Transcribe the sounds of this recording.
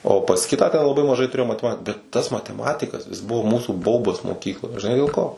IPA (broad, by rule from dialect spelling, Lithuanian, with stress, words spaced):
oː pɐs ˈkʲɪtɑː tʲɛn lˠɐˈbɐɪ mɐˈʒɐɪ tʊˈrʲeːjoːm mɐtʲɛˈmɐt bʲɛt ˈtɐs mɐtʲɛˈmɑːtʲɪkɐs jɪs ˈbʊʋoː ˈmuːsuː ˈbɐʊbɐs moːˈkʲiːklˠoːj ʒʲɪˈnɐɪ dʲeːlˠ ˈkoː